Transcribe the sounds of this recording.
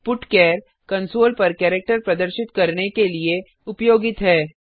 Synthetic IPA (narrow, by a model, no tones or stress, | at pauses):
pʊʈkɛːɾ | kɐ̃nsoːlpɐɾkɛːɾek̚ʈəɾpɾɐd̪əɾʃɪt̪kɐɾnekelie | ʊpjoːɡɪt̪ɦɛː